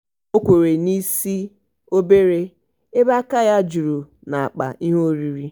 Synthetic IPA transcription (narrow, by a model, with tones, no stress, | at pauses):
o˦kʷe˨ɾe˨ni˦si˦ | o˦be˦ɾe˦ | e˦ba˦ka˦ja˦d͡ʒu˨ɾu˨ | na˨a̰˨k͡pa̰˨i˦ɦo˦ɾi˨ɾi˦